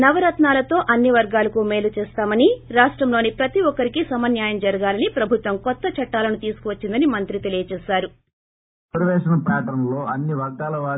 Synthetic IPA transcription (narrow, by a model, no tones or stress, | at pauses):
nɐʋɐɾɐt̪naːlɐt̪o̞ːʔɐnːiʋɐɾɡaːlɐkumeːlut͡ʃɛːst̪aːmɐniɾaːʂʈɾɐmloːnipɾɐt̪iɔkːɐɾikisɐmɐnjaːjɐmd͡ʒɐɾɐɡaːlɐnipɾɐbʱut̪ʋɐmkɔt̪ːɐt͡ʃɐʈːaːlɐnut̪iːsu̥kuʋɐt͡ʃːind̪ɐnimɐnt̪ɾit̪e̞lijɐt͡ʃɛːʃaːɾu | ɐɾʋɛːʃɐnɐpɛːʈɐɾnloːɐnːiʋɐɾɡaːlɐʋaː